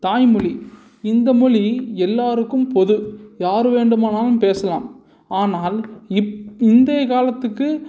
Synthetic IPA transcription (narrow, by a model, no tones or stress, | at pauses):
t̪aːjmʊɭi | ɪnd̪ɐmʊɻiɛlːaːɾɯkːɯmpɔðɯjaːɾɯʋeːɳɖɯmaːnaːlɯmpeːsɐla̰ːm | aːnaːlɪɪnd̪eːkaːlɐt̪ːɯkːɯ